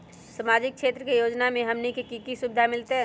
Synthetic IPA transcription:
səmad͡ʒɪk̚ʃʰeːt̪ɾəkejoːd͡ʒnamẽɦɐmnekekikisʊbɪd̪ʱamɪlt̪eɦɛ

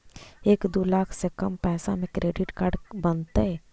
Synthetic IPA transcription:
eːkd̪oːlaːkʰsekɐmpɛːsa̰mẽkɾeːɖɪʈkaːɾɖbənt̪eɦɛ

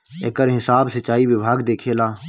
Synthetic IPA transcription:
ekəɾɦɪsaːbsət͡ʃaːiʋɪbʱaːɡd̪eːkʰeːlaː

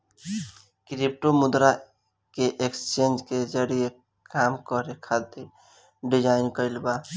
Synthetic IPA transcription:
kɾip̚ʈomʊd̪ɾa | keʔekst͡ʃend͡ʒked͡ʒəɾie | kaːmkəɾekʰat̪e | ɖɪd͡ʒaːɪnkəɪlba

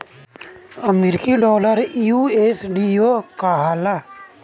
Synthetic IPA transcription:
əmeɾɪkiɖɔːləɾjueːsɖioːkaːɦaːla

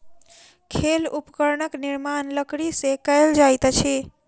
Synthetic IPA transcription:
kʰelupkəɾnəkniɾmanləkɽisekəjld͡ʒajt̪t͡ʃʰi

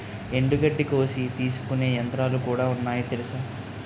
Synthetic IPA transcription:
e̞ɳɖuɡɐɖːiko̞ːsit̪iːsu̥kune̞ːjɐnt̪ɾaːlukuːɽaːunːaːjit̪elusaː

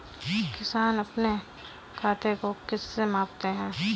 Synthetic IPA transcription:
kɪsaːnɐpne | kʰaːt̪ʰekokɪsːemãːpt̪eɦɛ̃ː

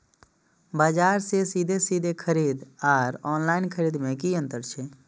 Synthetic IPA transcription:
baːd͡ʒaːɾsesiːd̪ʱesiːd̪ʱekʰəɾiːd̪aːɾɔːnlaːɪnkʰəɾiːd̪mẽkiə̃nt̪əɾt͡ʃʰe

